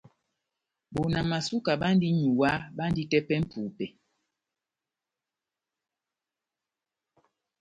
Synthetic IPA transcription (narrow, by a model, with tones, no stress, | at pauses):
bo˨na˨ma˨su˦ka˨ɓa˦n˦di˦ɲu˨wa˦ɓa˦n˦di˦tɛ˦pɛ˦m̩˦pʰuː˨pɛ˨